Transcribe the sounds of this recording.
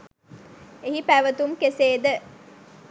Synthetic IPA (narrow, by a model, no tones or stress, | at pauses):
eɦipæʋət̪umkeseːd̪ə